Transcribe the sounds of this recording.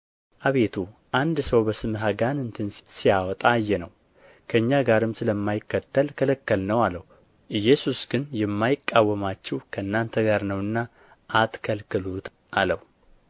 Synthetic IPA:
ʔaβe̞t̪ʰuʔand̪səwbəsɨmɦaɡanɨnt̪ʰɨnsijawɔt̪ʼajːɛnəw | kʰəɨɲːaɡaɾɨmsɨləmːajɪkːət̪ːəlkʰələkːəlnəwalːəh | ʔɨjːɛsusɡɨnjɛmːajɪkʼːawːəmat͡ʃːɛwkʰəɨnːant̪ʰəɡaɾnəwɨnːa | ʔːt̪kʰəlkɨlut̪ | ʔaləhu

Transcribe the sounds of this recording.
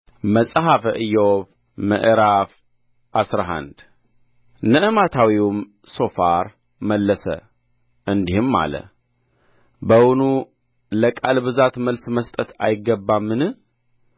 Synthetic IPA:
məsʼɦafəʔɨjːɛwoβ | mə̰ʔɾaf | ʔasɾaɦa̰nd̪ | nəʔɨmat̪ʰawiwm | so̞faɾ | məlːəsə̰ | ʔɨnd̪ihɨmːa̰lə̰ | bəwʊnu | ləkʼalbɨzat̪məlsməst̪ʼət̪ʰa̰jɪɡːəbːamːɨnɨ

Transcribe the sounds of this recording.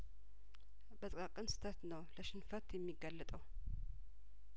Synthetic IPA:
bət̪ʼkʼakʼɨnsɨ̥t̪ʰat̪nəwləʃɪnfət̪jɛmːiɡːalːət̪ʼəw

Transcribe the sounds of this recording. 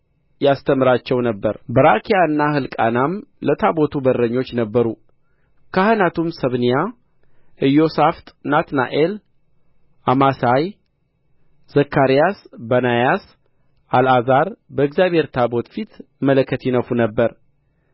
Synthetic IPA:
jast̪ʰəmɨɾat͡ʃːɛwnəbːəɾbəɾakʰijaɨnːahɨlkʼa̰namlət̪ʰabo̞t̪ʰubərːəɲːo̞t͡ʃːnəbːəɾu | kʰahɨnat̪ʰumsəβnija | ʔɨjːo̞saft̪ʼnat̪na̰ʔel | ʔamasaj | z̥əkʰːaɾijasbənajas | ʔalazaɾbəɨɡzjaβhe̞ɾt̪ʰabo̞t̪fit̪ | mələkʰːət̪jɪnəfunəbːəɾ

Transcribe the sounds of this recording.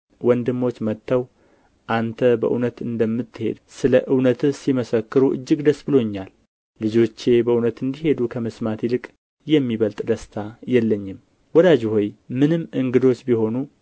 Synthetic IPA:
wɔnd̪ɨmːo̞t͡ʃːmət̪ʰːəw | ʔant̪ʰəbə̰ʔunət̪ɨnd̪əmːɨt̪ʰːɨhe̞̰d̪sɨləʔɨwnət̪ɨsiməsəkːɨɾuʔɨ̰d͡ʒːɨɡd̪əsbɨlo̞ɲːalː | ɨd͡ʒo̞t͡ʃːe̞bəʔunət̪ɨnd̪ihe̞d̪ukʰəmɨsmat̪ilɨkʼ | jɛmːiβəlt̪ʼd̪əst̪ʰajɛlːəɲːɪm | wɔd̪ad͡ʒhojmɨnɨmʔɨŋɡɨd̪o̞t͡ʃːbiho̞nu

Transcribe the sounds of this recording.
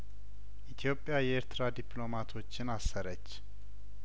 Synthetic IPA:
ʔit̪ʰjo̞pʼːjajɛeɾt̪ʰɾad̪ipʰʼlo̞mat̪ʰo̞t͡ʃːɪnasːəɾət͡ʃː

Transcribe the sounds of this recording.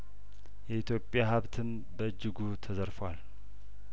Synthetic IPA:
jɛit̪ʰjo̞pʼːjahaβt̪ʰɨn | bəɨd͡ʒːɪɡut̪ʰəzəɾfəwal

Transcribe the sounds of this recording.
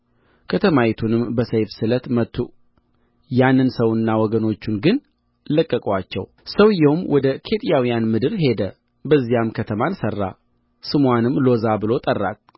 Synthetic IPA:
kʰət̪ʰəmajit̪ʰunɨmbəsəjfsɨlət̪mət̪ʰːu | janːɨnsəwɨnːawɔɡəno̞t͡ʃːunɡɨn | ləkʼːəkʼwat͡ʃːɛ̰w | səwjɛwmwɔd̪əkʰe̞t̪ʼijawijanmɨd̪ɨɾhe̞d̪ə | bəzːijamkʰət̪ʰəmansərːa̰ | sɨmwanɨmlo̞zabɨlo̞t̪ʼərːa̰t̪̚

